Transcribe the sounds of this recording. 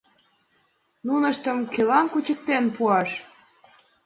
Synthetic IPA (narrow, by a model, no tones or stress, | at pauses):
nunəʃt̪əmkelɑnkut͡ɕək̚t̪enpuɑʃ